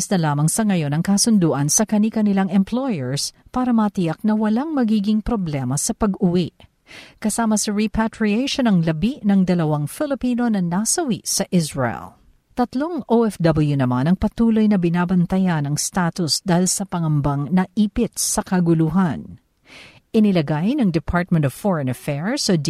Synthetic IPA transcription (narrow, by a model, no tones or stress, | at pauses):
snɐlaːmɐŋsɐŋɐjo̞nɐŋkasʊnd̪uːʔɐnsɐkɐnikɐnɪlaŋɛmplojɛɹspaːɾɐmɐt̪ɪjak̚nɐwɐlaŋmɐɡiːɡɪŋpɾo̞blɛmɐsɐpɐɡʊwiʔ | kɐsaːmɐsɐɹipʰat̪ɹiejʃonɐŋlɐbiʔnɐŋd̪ɐlɐwaŋfɪlɪpiːno̞nɐnasɐwiʔsɐʔɪsɹɛɛ̰l | t̪ɐt̪lo̞ŋʔoɛfd̪ɐbɐljunɐmanɐŋpɐt̪uːlo̞jnɐbɪnaːbɐnt̪ɐjanɐŋst̪at̪ʊsd̪aːhɪlsɐpɐŋɐmbɐŋnɐʔiːpɪt̪̚sɐkɐɡʊluɦɐn | ʔɪnɪlɐɡajnɐŋd̪ɛpʰaɹt̪̚mɛ̃nt̪ɔv̥fɔɹɐnɐfɛɹsod